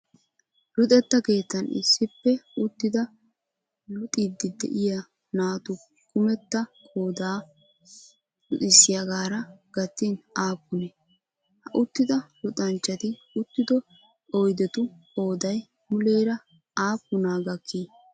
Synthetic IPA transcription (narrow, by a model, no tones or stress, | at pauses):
lʊt̪ʼɛt̪ːɐke̞ːt̪ːɐnɪ̰sːɪpːɛʊt̪ːɪd̪ɐ | lʊt̪ʼid̪ɪd̪ɛ̰ʔɪjɐ | naːt̪ʊ | kʊmɛt̪ːɐkʼoːd̪aː | lʊʔ̪ɪsːɪjɐɡaːɾɐɡ̥ɐt̪ːinaːpːʊnɛ | hɐʔʊt̪ːɪd̪ɐlʊt̪ʼɐnt͡ʃːɐt̪ɪ | ʊt̪ːɪd̪ɔ | ɔjd̪ɛt̪ʊ | oːd̪ɐj | mʊleːɾɐ | aːpːʊnaːɡɐkʰːiː